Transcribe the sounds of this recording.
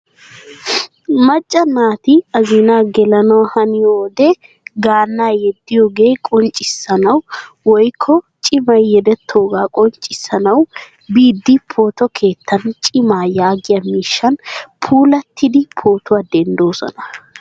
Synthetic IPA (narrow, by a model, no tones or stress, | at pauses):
mɐt͡ʃʼːɐnaːt̪ɪɐzɪnaːɡɛlɐnɐwɐhɐnɪjoːd̪ɛ | ɡaːnːaːjɛd̪ːɪjoːɡe̞ːkʼɔnt͡ʃʼːɪsːɐnɐw | wɔjkʰːɔ | t͡ʃʼɪmɐjːɛd̪ɛt̪ʰːo̞ːɡaːkʼɔnt͡ʃʼːɪsːɐnɐw | biːd̪ːɪpʰo̞ːt̪ɔkʰe̞ːt̪ʰːɐnt͡ʃʼɪmaːjaːɡɪjɐmiːʃːɐnpʰuːlɐt̪ʰːɪd̪ɪpʰo̞ːt̪ʰʊad̪ɛnd̪o̞ːsɔ̰nɐ